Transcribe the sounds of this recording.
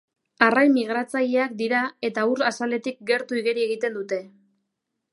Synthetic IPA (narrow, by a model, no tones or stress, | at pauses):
arajmiɣ̞ɾat͡sajeak̚d̪iɾae̞t̪auɾasale̞t̪ik̚ɡe̞ɾt̪uiɣeɾie̞ɣ̞it̪e̞nd̪ut̪e̞